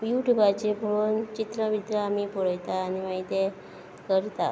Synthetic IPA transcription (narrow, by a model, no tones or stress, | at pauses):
ʋjuʈubat͡ɕepoɭont͡ɕit̪ɾəʋid̪ɾəamipɔɽəjt̪aːnimaɦit̪e | kəɾt̪a